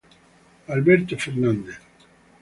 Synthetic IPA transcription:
albeɾt̪ofeɾnand̪eθ

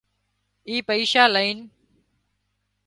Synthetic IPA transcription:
iːpəiːʃaːləiːn

